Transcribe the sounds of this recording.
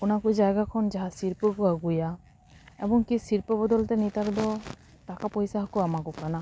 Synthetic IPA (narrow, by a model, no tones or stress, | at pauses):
kunakud͡ʒajɡakʰɔnd͡ʒaɦasiɾpɔkuaɡuja | ebɔŋkisiɾpɔbɔd̪ɔlt̪ɛnit̪akd̪ɔ | takapɔjsaɦɔkuamakukana